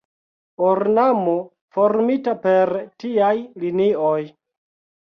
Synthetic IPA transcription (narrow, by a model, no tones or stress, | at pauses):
oɾnamo | fo̞ɾmitape̞ɾtiajlinioj